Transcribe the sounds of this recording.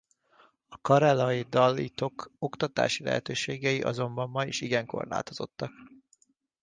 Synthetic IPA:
ɒkɒɾɛlɒjid̪ɒlːḭt̪o̞ko̞kt̪ɒt̪a̰ːʃilɛ̰ɦɛt̪øːʃeːɡɛjiʔɒ̰zo̞mbɒmːɒjiʃiɡɛŋko̞̰rla̰ːt̪o̞z̥o̞t̪ːɒk

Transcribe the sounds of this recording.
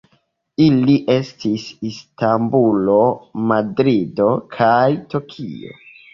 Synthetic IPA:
iliʔe̞stisistambulo̞madɾido̞kʰajtokʰḭo̞̰

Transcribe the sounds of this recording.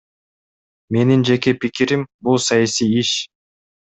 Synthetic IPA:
me̞nind͡ʒe̞ke̞pikiɾimbulˠsɑjasijiʃ

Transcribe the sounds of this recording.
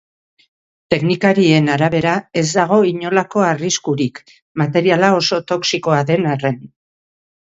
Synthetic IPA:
t̪e̞knikaɾie̞naɾaβ̞e̞ɾae̞zd̪aɣ̞o̞iɲo̞lako̞ariskuɾik | mat̪e̞ɾialao̞so̞t̪o̞ksiko̞aðe̞nare̞n

